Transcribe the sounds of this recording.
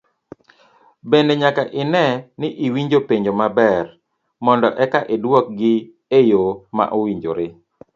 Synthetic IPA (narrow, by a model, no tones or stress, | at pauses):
beneɲakaʔɪnɛnɪʔiwiɲd͡ʒopeɲd͡ʒomabɛr | mɔndɔʔɛkaʔedwɔk̚ɡɪ | ejoma̰ʔowiɲd͡ʒoɾɪ